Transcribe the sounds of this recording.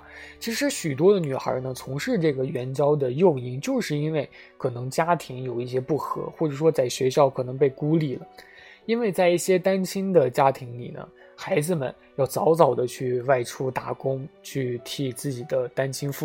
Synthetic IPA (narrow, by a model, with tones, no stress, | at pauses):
t͡ɕʰi˧˥ʂɻ̩˧˥ɕy˨˩t̪̬wɔ˥d̪ə˨ny˨˩xə̰˞˧˥nə˧t͡sʰʊ˧˥ŋʂɻ̩˥˧ʈ͡ʂɤ˥˩ɡə˩ɥɛ˧˥nt͡ɕjɑ˥ʊd̪ə˨jo˥˧ʊi˧˥ŋt͡ɕjo˥˧ʊʂɻ̩˥˩i˥nwe˥˩ɪ | kʰɤ˨˩nɤ˧˥ŋt͡ɕja˥t̪ʰi˧˥ŋjo˨˩ʊi˥˩ɕjɛ˥pu˥˩xɤ̰˧˥xwɔ˥˩ʈ͡ʂɤ˨˩ʂwɔ˥t͡sa˥˩ɪɕɥɛ˧˥ɕjɑ˥˩ʊkʰɤ˨˩nɤ˧˥ŋpe˥˩ɪku˥li˥˩lə̰˩ | i˥nwe˥˧ɪt͡sa˥˧ɪi˥˩ɕjɛ˥t̪a˥nt͡ɕʰi˥ŋd̪ə˨t͡ɕja˥t̪ʰi˧˥ŋli˨˩nə̰˦ | xa˧˥ɪd͡zɹ̩˧mə̰˨˩n | jɑ˥˩ʊt͡sɑ˧˥ʊt͡sɑ˨˩ʊd̪ə˦t͡ɕʰy˥˧wa˥˩ɪʈ͡ʂʰu˥t̪a˧˥kʊ˥ŋt͡ɕʰy˥˩t̪ʰi˥˩t͡sɹ̩˥˩t͡ɕi˨˩d̪ə˦t̪a˥nt͡ɕʰi˥ŋfu˥˩